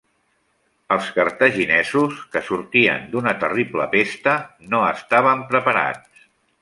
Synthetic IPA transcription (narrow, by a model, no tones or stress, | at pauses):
əlˠskəɾt̪əʒinɛzuskəsuɾt̪iə̰nd̪unət̪əriplə̰pest̪ənoəst̪aβ̞əmpɾəpəɾa̰t͡s